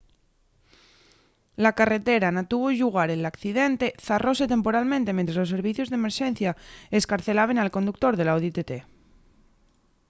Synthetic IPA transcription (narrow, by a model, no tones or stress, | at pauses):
lakare̞t̪e̞ɾanat̪uβ̞oʎuɣ̞aɾelakθiðe̞nt̪e̞θarʔose̞t̪empo̞ɾalmẽnt̪e̞mẽnt̪ɾaslo̞se̞ɾβ̞iθjozðeme̞ɾʃẽ̞n̟θjaeskaɾθe̞laβ̞e̞nalko̞nd̪uk̚t̪o̞ɾðelaoðet̪et̪e